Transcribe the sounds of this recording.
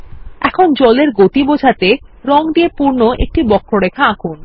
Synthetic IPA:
ɛ̰kʰond͡ʑɔleɾɡot̪ibod͡ʑʱat̪e | ɾɔŋd̪iepuɾnoʔḛk̚ʈibɔkʰːoɾekʰaakʰun

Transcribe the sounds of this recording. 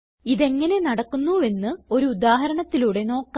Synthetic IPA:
iðe̞ŋːɐne̞nɐɽɐkːunːue̞nːɨo̞ɾuːd̪aːɦɐɾɐɳɐt̪ːiluɽe̞no̞ːkː

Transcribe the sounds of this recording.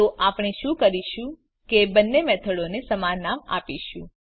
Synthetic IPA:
oʔapɳ̃iʃũkəɾiʃũ | kebənːemɛt̪ʰəɽonesəmaɾnama̰piʃũ

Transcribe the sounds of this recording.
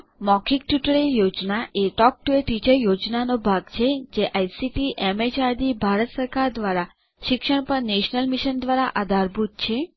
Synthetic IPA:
mɔkʰik̚ʈjuʈəɭejod͡ʒnaʔeʈɔk̚ʈueʈit͡ʃəjod͡ʒnanobʱaɡt͡ʃʰed͡ʒeʔajsiʈiʔemet͡ʃaɾd̪ibʱaɾət̪səɾkaɾd̪ʋaɾa | ʃɪkʃəɳpəɾneʃnəlmiʃənd̪ʋaɾaʔad̪ʱaɾbʱut̪̚t͡ʃʰe

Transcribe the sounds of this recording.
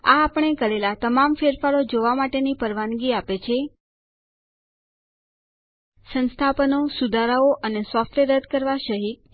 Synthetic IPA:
aːpəɳ̃ekəɾelat̪əmamfeɾfaɾod͡ʒoʋamaʈenipəɾʋanɡiapet͡ʃʰe | sə̃nst̪ʰapənosud̪ʱaɾaoʔənesɔfʈʋeɾəd̪ʱkəɾʋaʃəɦik̚

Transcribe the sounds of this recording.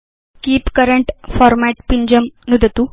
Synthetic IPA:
kiːpkəɾəɳʈfɔɾmæʈpiɲd͡ʑəmnud̪ʱət̪u

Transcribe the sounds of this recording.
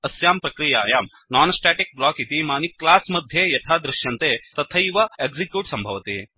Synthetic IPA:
ɐsjaːmpɾɐkɾija̰ːjaːm | naːnsʈaːʈik̚blaːkit̪imaːniklaːsmɐd̪ʱjeːjɐt̪ʰaːd̪ɾɪʃjɐnt̪eːt̪ɐt̪ʰɐiʋɐeːɡzikjuːʈsɐmbʱɐʋɐt̪ḛː

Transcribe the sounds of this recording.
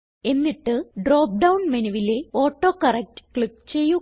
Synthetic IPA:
e̞nːiʈːɨɖroːp̚ɖɐwnmenɐʋile̞o̞ːʈːo̞ːkɐrek̚tkɭikːt͡ɕe̞jːu

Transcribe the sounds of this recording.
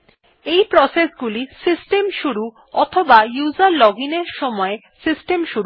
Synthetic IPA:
ejpɾɔsesɡulisisʈemʃuɾu | ɔt̪ʰobajuzaɾlɔɡineɾʃɔmɔe | sisʈemʃuɾ

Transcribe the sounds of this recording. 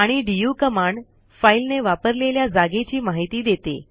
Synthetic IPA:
aɽ̃iɖijukəmaɳɖ | failneʋapəɾleljad͡zaɡet͡ɕiːmaɦit̪iːd̪et̪ḛ

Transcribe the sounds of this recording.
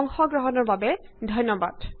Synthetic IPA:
ŋxɔɡɹɔɦɔnɔɹbabɛ | dʱɔjnːɔba̰d̥

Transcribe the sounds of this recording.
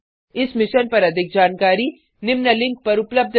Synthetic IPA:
ɪsmɪʃənpɐɾɐd̪ʱɪk̚d͡ʒaːnkaːɾi | nɪmnəlɪ̃ŋk̚pɐɾʊpləb̚d̪ʱ

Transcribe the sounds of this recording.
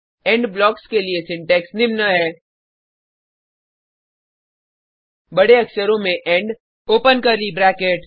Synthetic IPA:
ɛ̃ːɳɖblɔːkskeliesɪ̃ɳʈɛːksnɪmnəɦɛː | bɐɽeɐksəɾõmẽʔɛ̃ːɳɖ | oːpənkɐɾlibɾɛːkeʈ

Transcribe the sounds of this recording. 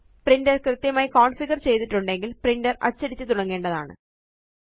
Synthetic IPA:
prindɐrkrɨt̪jɐmaːjikoːɳfiɣɐrt͡ɕe̞jt̪iʈːuɳɖe̞ŋɡilprindɐrɐ̰t͡ɕːɐɽit͡ɕːɨt̪uɽɐŋːe̞ːɳɖɐðaːɳɨ̰

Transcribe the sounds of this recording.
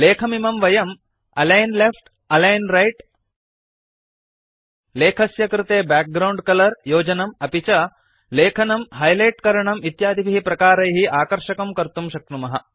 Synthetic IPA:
leːkʰɐmimɐmʋɐjɐm | ɐlɐjnlefʈ | ɐlɐjnɾɐjʈ | leːkʰɐsjɐkɾɪt̪eːbæːk̚ɡɾɐwɳɖkɐlɐɾjoːd͡ʒɐnɐmɐpit͡ʃɐ | leːkʰɐnɐmɦɐjlɐjʈkɐɾɐɳɐmit̪jaːd̪ʱibiɦipɾɐkaːɾɐjɦiʔaːkɐɾʃɐkɐmkɐɾt̪umʃɐk̚t̪umɐɦɐ

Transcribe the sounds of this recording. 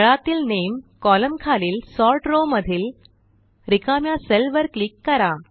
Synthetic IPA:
ɭat̪iːlnemkɔləmkʰaliːlsɔɾʈɾoməd̪ʱiːl | ɾikamjaselʋəɾklikːəɾa

